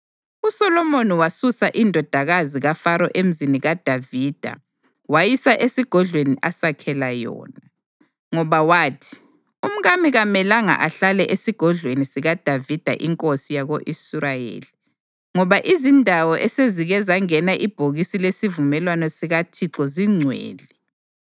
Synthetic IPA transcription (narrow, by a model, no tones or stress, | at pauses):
usɔlɔmoniwasusaʔindʱɔd̥ʱaɣaziɣafaɾɔʔem̩ziniɣad̥ʱaviːd̥ʱa̰ | wajisaʔesiɡ̥ʱɔɮʱweniʔasakʰɛlajɔ̰ːna | ŋɔβawaːtʰi̥ | um̩ɣamiɣamɛlaŋa̰ʔaɬalɛʔesiɡ̥ʱɔɮwenisiɣad̥ʱavid̥ʱa̰ʔiŋkʼosijaɣoʔisuɾajḛːli | ŋɔβaʔizindʱawɔʔɛseziɣɛzaŋɛnaʔib̥ʱoɣisilesivumɛlwanɔsiɣatʰiǀɔziŋ͡ǀʱwḛːli